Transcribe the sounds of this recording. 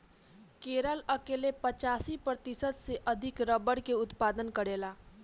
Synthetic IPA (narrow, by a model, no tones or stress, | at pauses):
keːɾələkeːlepət͡ʃaːsipɾət̪ɪsət̪seʔɐd̪ʱɪkɾəbəɽkeʊt̪paːd̪ənkəɾeːlaː